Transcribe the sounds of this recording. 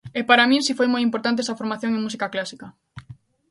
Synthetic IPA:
ɛpaɾamĩnsifojmojimpoɾt̪ant̪eesɐfoɾmaθjoŋeŋmusikaklasikɐ

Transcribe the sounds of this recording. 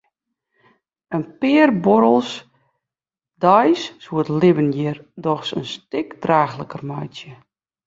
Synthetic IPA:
ənpɪːərbɔɾəlˠs | dɔjssuətlɪbənjɪrdɔxsə̰nstɪkd̥raːxləkərmɔjtjə

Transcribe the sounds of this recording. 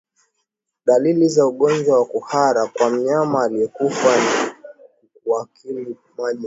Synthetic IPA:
ɗalilizauɠɔnd͡ʒwawakuhaɾakwam̩ɲamaːlijɛkufani | uwakʰili | maʄi

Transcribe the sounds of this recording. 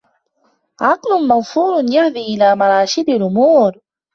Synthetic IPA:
ʕɑqlʊmɑðfuːɾjahd̪iːʔɪlaːmɑɾˤɑːʃɪd̪alʔʊmuːɾ

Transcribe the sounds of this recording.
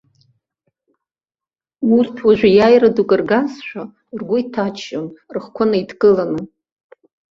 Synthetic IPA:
urtʰwaʒᶣʷajajradukʼɨrɡazʃʷᶣa | rɡʷʊitʰat͡ʃʰːonrɨχkʷʰanaidʰkʼɨlanɨ

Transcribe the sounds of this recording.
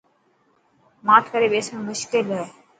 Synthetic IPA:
maːʈʰkəɾeːɓeːsmẽːmʊʃkɪlɦ

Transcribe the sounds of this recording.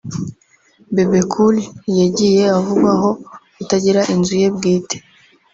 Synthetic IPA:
bebekʰuljaɟije̞avuɡwaɦo̞ | utaɟiɾaʔinzuje̞bɡiːtʰe̥

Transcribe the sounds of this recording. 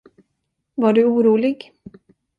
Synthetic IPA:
vaɖɵuːɾuːlɪɡ

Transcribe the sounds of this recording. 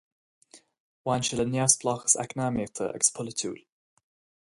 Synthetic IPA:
wanʃələnjasb̥lɔxə̥sa̰knamet̪ʰə̰ʔə̰ɡ̥ə̥spʰʊlətʰṵːl

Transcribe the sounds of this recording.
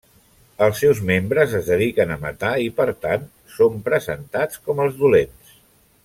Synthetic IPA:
əlˠsːɛwzmembɾəzəzðəðikənəmə̰t̪aipəɾt̪an | sompɾəzə̰nt̪at͡skɔməlˠzðulens

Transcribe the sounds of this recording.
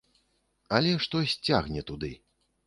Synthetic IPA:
ɐlʲɛʂt̪ɔsʲt͡sʲaɣnʲɛt̪ud̪ɨ

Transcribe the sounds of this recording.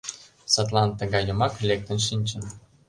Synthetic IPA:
sɑt̪lɑnt̪ə̆ɣɑjə̆mɑklʲek̚t̪ə̆nʃ̬inʲt͡ɕə̆n

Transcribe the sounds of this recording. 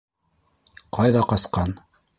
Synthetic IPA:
qɑjðɑqɑsqɑn

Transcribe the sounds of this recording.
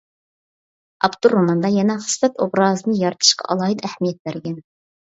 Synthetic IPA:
ɑbt̪uɾːomɑnd̪ɑjɛnɛχɨ̥sfɛt̪obɾɑːzɨnɨjɑɾt̪ʰɨ̥ʃqɑ̰ʔɑ̰lˠɑːɨd̪æhmijɛt̪̚bæɾɡʲɛn

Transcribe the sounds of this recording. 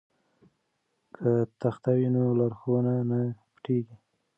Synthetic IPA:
kʰət̪axt̪awinolaɾxonanapʈeɡi

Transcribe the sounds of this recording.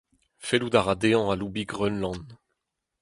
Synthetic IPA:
felud̪aʁad̪eɑ̃alubiɡʁønlɑ̃n

